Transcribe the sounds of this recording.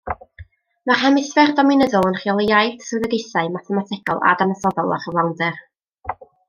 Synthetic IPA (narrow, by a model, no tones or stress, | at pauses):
mar̥ɛmɪsvɛrdɔmɪnəðɔlˠənχjɔlˠeajθsɨðɛdejθaɨmaθɛmatʰɪkɔ̰lˠa̰danəsɔðɔlˠa̰χəvlˠawndɛr